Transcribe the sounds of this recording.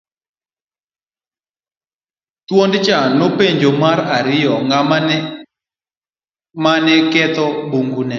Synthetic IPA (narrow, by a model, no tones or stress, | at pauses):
t̪wondt͡ʃanopeɲd͡ʒomaɾaɾɪjɔŋa | manɛkɛt̪ɔbuŋɡunɛ